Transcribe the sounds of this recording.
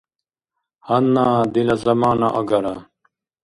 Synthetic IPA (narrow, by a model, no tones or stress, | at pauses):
hɐnːaːd̪ilɐzɐmaːnɐʔɐɡɐɾa